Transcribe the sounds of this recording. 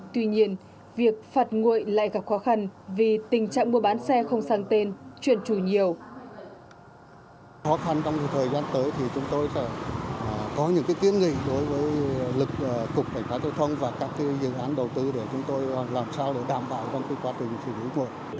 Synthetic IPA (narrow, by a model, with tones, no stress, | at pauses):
t̪wi˧ɲi˧ən | vi˨˩ək̚faː˨˩t̚ŋṵ˧˨jla̰ː˧˨jɣa˨˩p̚xɔ˨˦xa˧nvi˨˩t̪ï˨˩ŋ̟t͡ɕa̰ː˧˨ŋmu˧əɓaː˨˦nsɛ˧xə˧wŋ͡msaː˧ŋt̪e˧nt͡ɕwḭ˧˨ənt͡ɕu˧˩ɲi˨˩əw | xɔ˨˦xa˧nt͡ɕɔ˧wŋ͡mjt̪ʰəː˨˩jzaː˧nt̪əː˨˦jt̪ʰi˨˩t͡ɕʊ˨˦ŋ͡mt̪o˧jsɛ̰˧˥˩ | kɔ˨˦ɲɨ̰˧˥ŋkaː˨˦jk̪wi˧ənŋḭ˧˨ɗo˨˦jvəː˨˦jlɨ˨˩k̚ːʊ˨˩k͡p̚kːa˧˩jŋ̟faː˨˦zaː˧wt̪ʰə˧wŋ͡mvaː˨˩kaː˦˥kːa˨˦zɨ̰˧˨ʔaː˨˦nɗə˨˩wt̪ɨ˧ɗe˧˩t͡ɕʊ˨˦ŋ͡mt̪o˧jlaː˨˩msaː˧wɗe˧˩ɗaː˧˩mɓa̰ː˧˨wt͡ɕɔ˧wŋ͡mki˧˦kwaː˧t͡ɕï˨˩ŋ̟si˧˩lḭ˨˦ŋṵ˧˨j